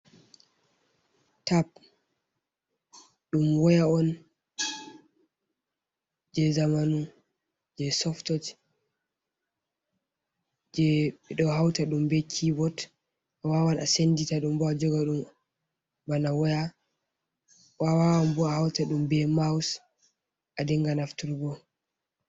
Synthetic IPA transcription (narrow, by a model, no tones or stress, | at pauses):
tap̚ | ɗumwɔjaɔn | d͡ʒɛzamanu | d͡ʒɛsɔftɔd͡ʒ | d͡ʒɛɓɛɗɔhawtaɗumbɛkʰibɔt | awawanasenditaɗumbɔad͡ʒɔɡaɗum | banawɔja | wawawambɔahawtaɗumbɛmaws | ʔadɛŋɡanaftuɾɡɔ